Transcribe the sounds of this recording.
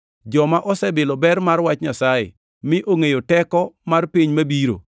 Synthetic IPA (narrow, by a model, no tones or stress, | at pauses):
d͡ʒɔmaʔɔsɛbɪlɔbɛrmarwat͡ʃɲasajɪ̰ | mɪʔoŋejotɛkɔmarpiɲmabiɾo̰